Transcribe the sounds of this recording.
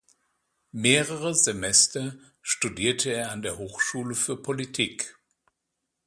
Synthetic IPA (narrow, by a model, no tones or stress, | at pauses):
meːʁəʁəzemɛstɐ | ʃtudiːɐtʰəeːɐandeːɐɦoːxʃuːləfyːɐpʰolitʰiːk